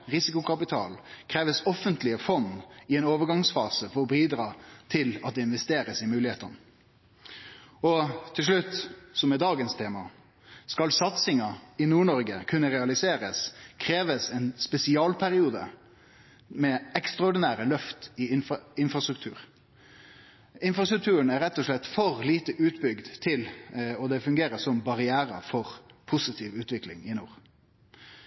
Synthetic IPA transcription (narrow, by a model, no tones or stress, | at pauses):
ʁɪsɪkʊkʰɑpɪt̪ʰɑ̰ːlkʰɾeːʋəsɔfənt̪lɪəfɔnːɪɛɪnoːʋəɾɡɑŋsfɑ̰ːsəfɔɾɔbiːd̪ɾɑːt̪ʰɪlɑt̪̚d̪ɛɪnʋɛst̪eːɾəsɪmʉːlɪheːt̪ɑnə | ɔt̪ʰɪlʂɭʉt̪ːsɔmɛd̪ɑːɡənst̪ʰeːmɑ | skɑlsɑt̪sɪŋɑɪnuːɳɔɾɡəkʰʉnːəɾɛɑlɪseːɾəskʰɾeːʋəsɛnspɛsɪɑːlpʰæɾɪuːd̪ə̰ | mɛɛkst̪ɾɑɔɖɪnæːɾəlœft̪ɪɪnɪnfʁɑst̪ɾʉk̚t̪ʰʉ̰ːɾ | ɪnfɾɑst̪ɾʉk̚t̪ʰʉːɾənæɾɛt̪ːɔʂɭɛt̪ːfɔʁliːt̪əʔʉːt̪bʏɡd̪t̪ʰɪlɔd̪ɛfʉŋɡeːɾəsɔmbɑɾɪæːɾə̰fɔʁpʰʊsɪt̪ʰiːʋʉːt̪ʋɪklɪ̰ŋɪnuːɾ